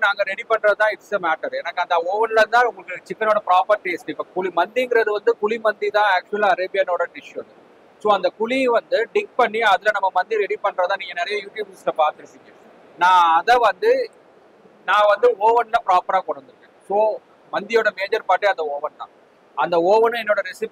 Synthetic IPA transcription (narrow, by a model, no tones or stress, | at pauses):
naːŋɡɐɾɛɽipɐɳːɾɐt̪ãːɪʈsɐmaːʈːɐɾɛnɐkːɯɐnd̪ɐoːʋɐnlɐt̪ãːʊmkːɯt͡ʃɪkːɐnoːɽɐpɾaːpɐɾʈiɐsʈiɪpːɐkʊɭimɐnd̪iŋɡɪɾɐðɯʋɐnd̪ɯkʊɭimɐnd̪it̪ãːaːk̚t͡ʃʊɐlɐɾeːbɪjɐnoːɽɐɖɪʂʋɐnd̪ɯ | soːɐnd̪ɐkʊɭiʋɐnd̪ɯɖɪŋk̚pɐɳːiɐðɯlɐnɐmːɐmɐnd̪iɾɛɽipɐɳːɾɐt̪ãːniːŋɡɐnɛɾɐjɐjuːʈjuːbɪslɐpaːɾt̪ɐɾɪsɪŋːɛ̃ | nãːɐðɐʋɐnd̪ɯ | nãːʋɐnd̪ɯoːʋɐnlɐpɪɾaːpɐɾaːkɔɽɐɐnd̪ɯɾɯkːẽːsoː | mɐnd̪ɪjoːɽɐmeːd͡ʒɐɾpaːʈːɯɐnd̪ɐoːʋɐnt̪ã̰ː | ɐnd̪ɐoːʋɐnɯɛnːoːɽɐɾɛsɪp